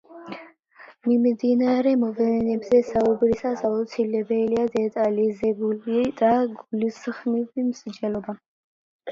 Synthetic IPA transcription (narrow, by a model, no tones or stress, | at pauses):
mimd̪inaɾɛmɔvɛnɛbzɛsaubɾisasaut̪sʰilɛbɛliad̪ɛt̪ʼalizɛbulid̪̥aɡulisχmivimsd͡ʒɛlɔba